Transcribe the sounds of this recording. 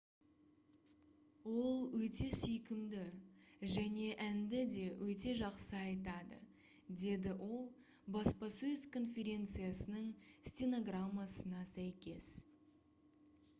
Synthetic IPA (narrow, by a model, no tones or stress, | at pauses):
wo̞lˠwɵt̪e̞sʏjkʲɪmd̪ɪʒæne̞ʔænd̪ɪd̪e̞wɵt̪e̞ʒɑqsəɑjt̪ɑd̪ə̰ | d̪e̞d̪ɪwʔo̞lˠ | bɑspɑsɵzkʰo̞nfʲe̞ɾʲe̞nt̪sɨjasənəɴsʲtʲeno̞ɡramːasənɑsæjkʲe̞s